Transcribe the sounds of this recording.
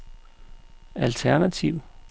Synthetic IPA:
ælt͡sʰæɐnæt͡sʰiʊ̰

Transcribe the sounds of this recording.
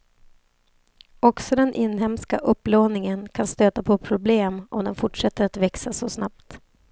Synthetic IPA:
ɔksɔd̪ɛnʔɪnːɦɛmskaʔɵpːloːnɪŋənkʰanst̪øːt̪apʰɔpʰɾʊbleːmʔɔmd̪ɛnfʊʈʂɛt̪ːəɾat̪vɛksasɔsnap̚t̪

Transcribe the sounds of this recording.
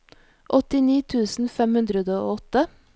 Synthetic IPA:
ʔɔt̪ɪniːt̪ʰʉːsn̩fɛmhʉnd̪ɾəd̪əo̰ːɔt̪ə

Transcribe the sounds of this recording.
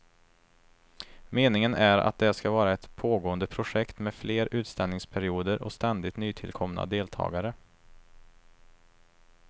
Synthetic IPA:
meːnɪŋənæɾa̰t̪̚d̪ɛskavɑːɾaɛt̪pʰoːɡoːənd̪əpʰɾʊʂɛkt̪mɛdfleːɾʉ̟ːt̪st̪ɛlnɪŋspʰæɾɪuːd̪əɾʔɔ̰st̪ɛnd̪ɪt̪nyːt̪ʰɪlkʰɔmna̰d̪eːlt̪ʰɑ̰ːɡaɾə

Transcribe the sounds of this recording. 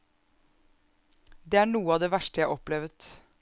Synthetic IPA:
d̪eːæːɳuːəɑːʋd̪eːʋæʃʈəjæɪʔɔplɛʋət̪

